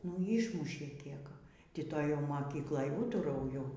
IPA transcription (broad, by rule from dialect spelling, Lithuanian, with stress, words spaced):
nʊ ˈiːʃmʊʃʲeː ˈkʲiɛk ˈtʲɪ ˈtoːj jɛʊ moːˈkʲiːklˠoːj ˈuːtɐrɐʊjʊ